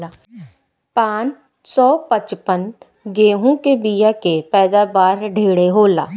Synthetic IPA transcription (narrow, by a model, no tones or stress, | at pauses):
a | paːn | sɔːpət͡ʃpən | ɡeːɦũkebijakepɛːd̪abaːɾɖʱeːɽeɦoːla̰ː